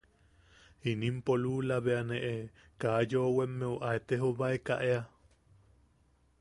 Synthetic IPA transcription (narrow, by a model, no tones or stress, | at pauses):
inimpoluːlaβeaneʔe | kajowemːeoʔaet̪eɦoβaekaʔea